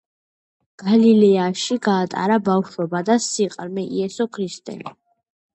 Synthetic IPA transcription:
ɡ̥alilɛaʃiɡaːt̪ʼa̰ɾabafʃɔbad̪asiqʼɾmɛʔiɛsɔkʰɾist̪ʼɛ̰li

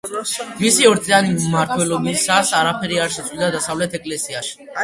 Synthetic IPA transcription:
misiɔɾt̪sʼianimaɾt̪ʰwɛlɔbisasaɾapʰɛɾiaɾʃɛt̪sʼwid̪ad̪asavlɛt̪ʰɛkʼlɛsiaʃi̥

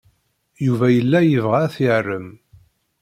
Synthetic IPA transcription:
juvæjəlːæjəvʁaθirːəm

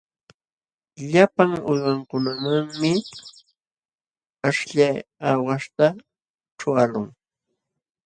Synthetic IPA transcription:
ʎapaŋʊjwaŋkʊnamaŋmɪ | aʃʎajawaʃt̪a | ʈ͡ʂʊalʊŋ

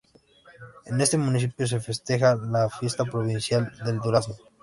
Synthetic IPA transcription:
e̞ne̞st̪e̞mũnis̬ipjo̞s̬e̞fe̞st̪e̞xalafje̞st̪apɾo̞βinsjald̪e̞ld̪uɾaso

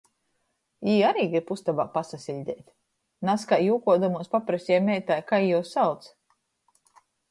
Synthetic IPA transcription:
iːaɾiːɡɾiɾpust̪abaːpasasʲilʲd̪ʲɛːt̪ | naskajjuːkuɔd̪amuɔspapɾasʲɛmʲɛjt̪ajkajjuɔsawt̪s

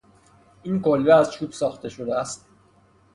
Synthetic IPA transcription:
ʔiːnkʰolveæzt͡ʃʰuːbsɒːxt̪e̞ʃod̪eæst̪̚

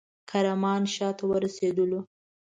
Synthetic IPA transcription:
kʰaɾamɑnʃɑt̪awəɾased̪əlo

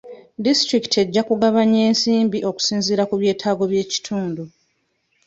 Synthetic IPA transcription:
distɾiki̥te̞ɟːakuɡaβaɲe̞ːnsiːmbiʔo̞ku̥siːnziɾakuβje̞ːtʰaːɡo̞βje̞ːci̥tʰuːndu

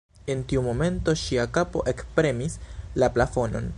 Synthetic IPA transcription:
e̞ntiumo̞me̞nto̞ʃiakapo̞̰ʔe̞kpɾe̞mislaplafo̞no̞̰n

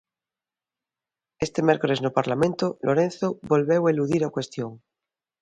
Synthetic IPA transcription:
est̪e̞mje̞ɾkoɾe̞znopaɾlamẽ̞nt̪olʔoɾẽ̞nθoβo̞lβe̞waeluðiɾakwe̞st̪joŋ

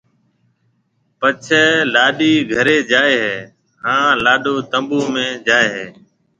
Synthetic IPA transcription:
pət͡ʃʰɛːlaːɗiːɡʱəɾeːd͡ʒaːeːɦeː | ɦãːlaːɗoːt̪əmbuːmẽːd͡ʒaːeːɦeː

